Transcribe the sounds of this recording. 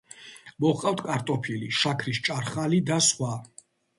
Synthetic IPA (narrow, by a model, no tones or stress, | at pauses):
mɔχqʼaft̪ʰkʼaɾt̪ʼɔpʰiliʃakʰɾist͡ʃʼaɾχalid̪asχwa